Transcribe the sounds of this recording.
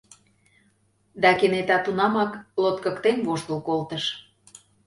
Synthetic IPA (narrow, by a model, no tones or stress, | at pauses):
d̪ɑkenet̪ɑt̪unɑmɑklot̪̚kə̆kt̪envoʃt̪əlˠkolt̪əʃ